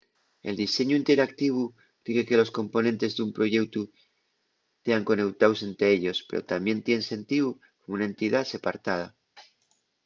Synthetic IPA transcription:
e̞̰ld̪ise̞ɲuint̪e̞ɾakt̪iβ̞u | d̪iɣe̞ke̞lo̞sko̞mpo̞nẽ̞nt̪e̞zðeumpɾo̞ʝe̞wt̪u | t̪e̞aŋko̞ne̞wt̪awse̞nt̪ɾe̞eʎo̞spe̞ɾo̞̰t̪ambje̞nt̪je̞nense̞nt̪iβu | komounae̞nt̪iðase̞paɾt̪að̞a

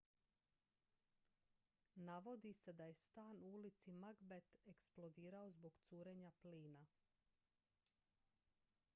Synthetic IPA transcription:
naʋo̞d̪ise̞d̪aje̞st̪aːnuulit̪simaɡbet̪eksplˠod̪iːɾao̞zbo̞ɡt̪suːɾe̞ɲapliːna

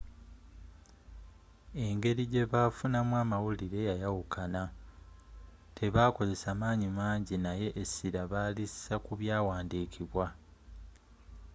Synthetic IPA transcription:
e̞ŋɡe̞ɾiɟe̞βafunamwaːmawuliɾe̞jajawukʰana | tʰe̞βaːko̞ze̞saːmaːɲimaːɲɟinaje̞ʔːsiɾaβalisakuβjaːwaːndiːkʰiβwa

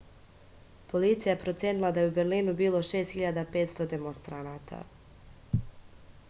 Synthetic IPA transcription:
po̞lit̪sijajepɾo̞t̪sjeːnilˠad̪ajeubeɾlinubiːlˠo̞ʃe̞ːst̪hiʎad̪apet̪st̪o̞d̪e̞monst̪ɾanat̪ʰa̰

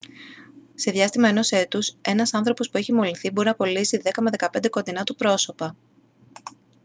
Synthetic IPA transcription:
se̞ðʝɐst̪imɐe̞no̞se̞t̪use̞nɐsɐnθɾo̞po̞spueçimo̞liθiboɾinɐpo̞lisiðe̞kɐme̞ðe̞kɐpe̞nd̪e̞ko̞nd̪inɐt̪upɾo̞so̞pɐ

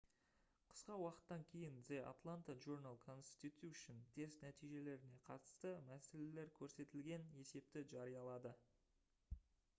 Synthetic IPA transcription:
qʰə̥sqɑwɑqə̥t̪ːɑŋkʲʰe̞jɪnzeʔa̰t̪lˠant̪aʒoɾnalˠkʰo̞nst̪it̪juʃənt̪ʰe̞st̪næt̪ijʒe̞le̞ɾɪne̞qʰɑt̪ə̥st̪əmæse̞le̞le̞ɾkʲʰɵɾse̞t̪ɪlɡʲe̞ne̞se̞p̚t̪ɪʒɑɾijɑlˠɑd̪ə

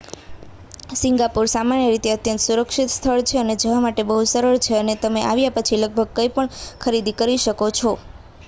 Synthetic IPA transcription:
sɪŋɡapuɾsamanjəɾit̪eət̪jə̃nt̪suɾəkʃit̪st̪ʰəɭt͡ʃʰeəned͡ʒəʋamaʈebəɦusəɾəɭt͡ʃʰeənet̪əmeʔaʋjapət͡ʃʰiləɡ̚bʱəɡ̚kəjpəɳkʰəɾid̪ikəɾiʃəkot͡ʃʰo

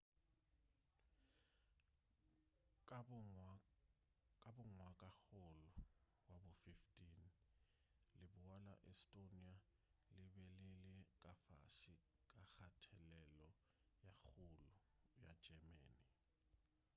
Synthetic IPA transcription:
kʼabʊŋwakʼaxolu | wabufiftʼin | lɪbuwala̰ʔɛstʼonia | lɪbɛlɪlɪk̬ʼafa̰ʃi | kʼaxatʰɛlɛlɔ | jaxuluja̰̥d͡ʒ̥ɛmɛ̰ːni

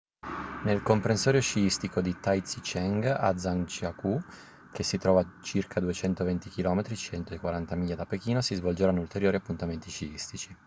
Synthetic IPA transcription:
nelkompɾensɔːɾjot͡ʃiist̪ikod̪it̪ajt̪sit͡ʃɛŋɡa̰d̪zant͡ʃiaku | kesːit̪ɾɔːvat͡ʃirkʰad̪uet͡ʃɛnt̪ovent̪ikilɔːmet̪ɾit͡ʃɛnt̪oekwaɾant̪amiːjad̪apek̟iːnosizvold͡ʒeɾanːult̪eɾjoːɾiapːunt̪ament̪it͡ʃiist̪it͡ʃi

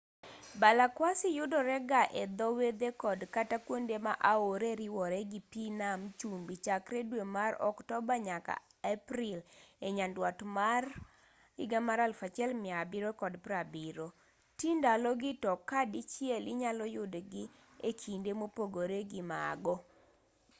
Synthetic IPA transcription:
balakwasɪjʊdɔɾɛɡaʔɛd̪ɔwed̪ekɔdkatakwondemaʔaoɾeɾɪwɔɾɛɡipinamt͡ʃumbit͡ʃakɾedwemaɾɔ̰ktɔbaɲaka̰ | ɛpɾɪleɲandwatmar | ɪɡamaɾalfat͡ʃɛlmɪabiɾokɔdpɾabiɾo | tindalɔɡɪtɔkːadit͡ʃjɛlɪɲalɔjʊdɡɪ | ekʰindemopoɡoɾeɡɪmaɡɔ

